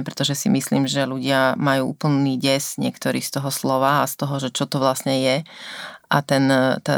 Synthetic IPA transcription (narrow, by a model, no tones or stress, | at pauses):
pɾɛt̪ɔʒɛsḭmisliːmʒɛluɟɪamajuːṵːpl̩niːɟɛzɲɪɛkt̪ɔɾiːst̪ɔɦɔslɔʋaːast̪ɔɦɔʒɛt͡ʃɔt̪ɔʋlasɲɛjɛ | ʔa̰t̪ɛnt̪a